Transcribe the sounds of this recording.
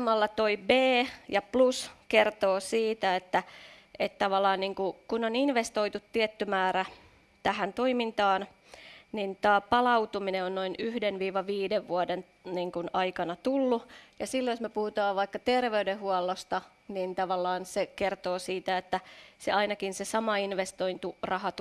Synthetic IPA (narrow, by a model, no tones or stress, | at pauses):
mɑlːɑt̪oibeːjɑpluskert̪oːsiːt̪æet̪ːæet̪t̪ɑʋɑlːˑɑːnniːŋkukunoninʋest̪oit̪ut̪tiɛt̪ːymæːɾæ | t̪æhænt̪oimint̪ɑːn | nint̪ɑːpɑlɑut̪umineonnoinyhdenʋiːʋɑʋiːdeʋʋuoden | niːŋkunɑikɑnɑt̪ulːujɑsilːojosmepuhut̪ɑːʋʋɑikːɑt̪erʋeydehuɑlːost̪ɑ | nint̪ɑʋɑlːɑːnsekert̪oːsiːt̪æet̪ːæseɑinɑkinsesɑmɑinʋest̪oint̪urɑhɑt̪